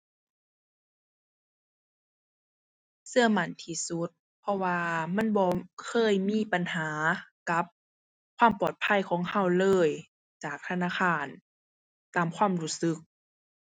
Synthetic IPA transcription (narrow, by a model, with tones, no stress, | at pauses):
sɯ˧ɐma˧˩nt̪ʰiː˧˩su˧˦˥t̪̚ | pʰɔ˧waː˧ma˧˥˨nbɔː˧kʰɤː˧˩˨jmiː˧˥˨pa˨nhaː˨˦ka˧˦˥p̚ | kʰwaː˧˥˨mpɔː˨˩t̪̚pʰa˧˩˨jkʰɔː˨˦ŋha˧˩˨wlɤː˧˩˨j | t͡ɕaː˨˩k̚t̪ʰa˧naː˧˨xaː˧˩n | t̪aː˨mkʰwaː˧˥˨mluː˧˩sɯ˧˦˥k̚